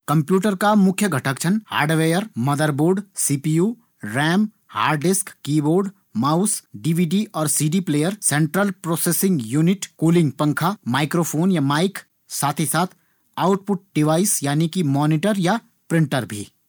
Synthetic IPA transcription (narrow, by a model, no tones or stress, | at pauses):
kɐ̃mpjuːʈəɾkamʊkʰjəɡʱɐʈəkt͡ʃʰənha̰ːɾɖʋeːjəɾmɐd̪əɾboːɾɖsiːpiuː | ɾɛːm | ha̰ːɾɖɖɪskːiːboːɾɖ | maːʊsɖiːʋiːɖiʔɔːɾsiːɖipleːjəɾsẽːɳʈɾəlpɾoːseːsɪ̃ŋɡjuːnɪʈkuːlɪ̃ŋɡpɐ̃ŋkʰamaːɪkɾoːpʰoːnjamaːɪk | saːt̪ʰisaːt̪ʰ | aːʊʈpʊʈ̚ɖɪʋaːɪsjaːnikimɔːnɪʈəɾja | pɾɪ̃ɳʈəɾbʱḭː